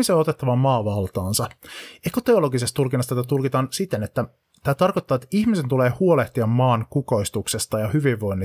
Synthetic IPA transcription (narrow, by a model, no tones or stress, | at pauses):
iseoot̪et̪ːɑʋɑmɑːʋɑlt̪ɑːnsɑekot̪e̞o̞lo̞ɡisest̪t̪ulkinːɑst̪æt̪æt̪ulkit̪ɑːnsit̪ːenet̪ːæ | t̪æːt̪ɑrkot̪ːɑːet̪ːæiçmise̞nt̪uleːhuoleht̪iɑmːɑːŋkuko̞ist̪uksest̪ɑjɑhyʋiʋːo̞inːi